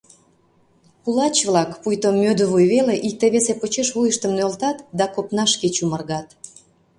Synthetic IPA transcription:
kulɑt͡ɕβlɑkpujt̪omːød̪əβujβeleʔik̚t̪eβesepot͡ɕeʃβujəʃt̪əmnølt̪ɑt̪d̪ɑkopnɑʃket͡ɕumərɣɑt̪

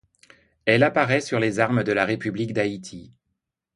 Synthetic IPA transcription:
ɛlapaʁɛsyʁlezaʁməd̪əlaʁepyblikd̪ait̪ʰi

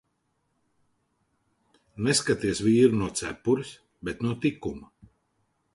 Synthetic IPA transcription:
neskat̪iɛsviːɾunuɔt̪sæ̰pːuɾis | bɛt̪nuɔt̪ikuma

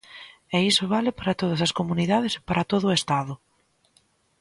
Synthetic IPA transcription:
ɛisʊβ̞alɪpaɾɐt̪oð̞ɐsɐskomuniðað̞ese̥paɾat̪oðʊːest̪að̞ʊ

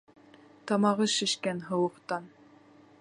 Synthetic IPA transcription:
t̪ɑmɑʁɤʃɘ̆ʃkænɦɤ̆wɤ̆qt̪ɑn

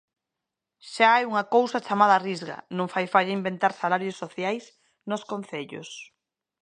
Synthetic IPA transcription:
ʃaaɛjuŋakowsɐt͡ʃamaðarizɣa̰nõŋfajfaʎaimbent̪aɾsalaɾjosːoθjajs | noskonθeʎo̰s

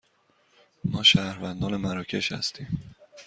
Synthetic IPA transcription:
mɒːʃæːɾvænd̪ɒːnemæɾɒːcʰe̞ʃhæ̰st̪ʰiːm

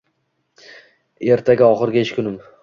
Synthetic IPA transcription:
e̞ɾt̪ʰaɡʲaɒχɨɾɡʲaeʃkʰʲʊnɪm

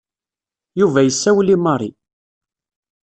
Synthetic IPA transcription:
juvæjəsːæwlimɑɾˤḭ

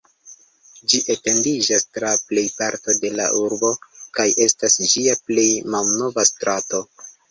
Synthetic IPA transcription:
d͡ʒiʔete̞ndid͡ʒastɾaple̞jpaɾto̞de̞la̰ʔuɾbo̞kajʔe̞stasd͡ʒiaple̞jmalno̞vastɾʔato̞

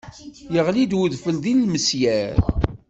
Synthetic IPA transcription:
jəʁlid̪wəðfəlðilːməsjæɾ

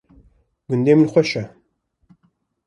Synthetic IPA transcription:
ɡʊnd̪eːmɨnxʷɛʃɛ

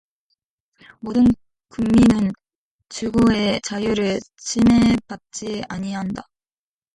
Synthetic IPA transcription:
modɯn | kɯŋminɯn | t͡ɕuɡoe̞t͡ɕajuɾɯɭ | t͡ɕime̞bat̚t͡ɕ͈iaɲiɦanda

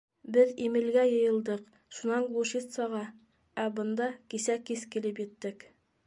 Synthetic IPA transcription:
bɘðimɘ̆lɡæjɤ̆jɤ̆lˠd̪ɤq | ʃunɑɴɡlˠuʃit̪sɑʁɑ | æbɤ̆nd̪ɑkisækiskilɘpjɘ̆t̪ːɘk

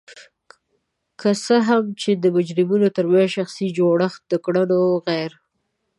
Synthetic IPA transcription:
kəsəɦamt͡ʃed̪əmʊd͡ʒɾɪmunot̪əɾmajʃaxsid͡ʒoɽəx̚d̪̥əkɽənoɣajɾ

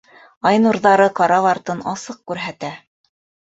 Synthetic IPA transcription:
ɑjnuɾðɑɾɤqɑɾɑvɑɾt̪ɤnɑsɤq̚kʉɾɦæt̪æ

